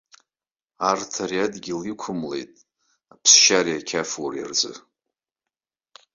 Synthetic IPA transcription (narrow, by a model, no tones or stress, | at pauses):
artʰariadɡʲilikʷʰʊmle̞̰jtʼ | apʰsʃariakʲʰafwurja̰rd͡zʼɨ̰